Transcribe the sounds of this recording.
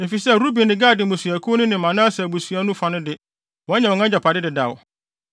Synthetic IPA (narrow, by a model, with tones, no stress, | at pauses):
e˨fi˨sɛ˦˨ɾu˦bi˨nɪ̃˨ɡaː˦˨dɪ˨mʊ˨sɥæ˨kʰo˦nʊ̃˦nɪ̃˨mã˨nã˦sa˨bu˨sɥa˦nũ˦fa˨nɪ̃˦dɪ˨ | wɔ̃˨˦ɲɛ̃˨wɔ̃˨ŋã˦d͡ʑa˨pʰa˨dɪ˦dɪ˨da˨w